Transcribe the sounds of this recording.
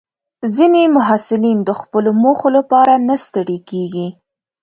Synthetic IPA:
zinemʊɦasɪlind̪əxpəlomoxolapɑɾanast̪əɽekeɡi

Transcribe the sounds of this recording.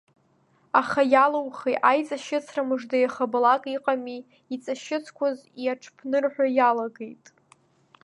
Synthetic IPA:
aχajalawχejtajt͡sʼaʃɪt͡sʰramɨʐdajaχablakʼiqʼami | it͡sʼaʃɪt͡sʰkʷʰaziaʈ͡ʂʰpʰnɨrħʷᶣajalaɡejtʼ

